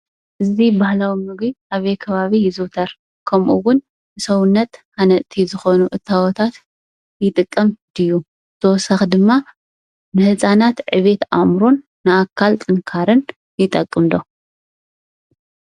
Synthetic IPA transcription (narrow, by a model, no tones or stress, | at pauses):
ʔɨzibahlawimɨɡiʔaβejkʰɐβaβijɪzɨwt̪ʰɐɾ | kʰɐmʔuwʊn | ɨsɐwnːɐt̪hanɐʔt̪ʰizɨxo̞nuʔɨt̪ʰːawɔt̪ʰat̪ | jɪt̪ʼɨkʼːɐmd̪ɨjːu | ɨt̪ʰɐwɔsɐxd̪ɨmːa | nɨhɨsʼanat̪ʕɨβe̞t̪ʔa̰mɾo̞nːɨakʰːalt̪ʼɨŋkʰaɾɨn | jɪt̪ʼɐkʼːɨmd̪o̞